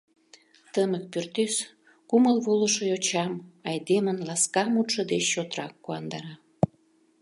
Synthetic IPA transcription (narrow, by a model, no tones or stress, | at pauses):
t̪əmə̆k̚pyrt̪ys | kuməlβuləʃojot͡ɕɑmɑjd̪emənlɑskɑmut̪ʃə̆d̪et͡ɕːot̪ɾɑkːuɑnd̪ɑɾɑ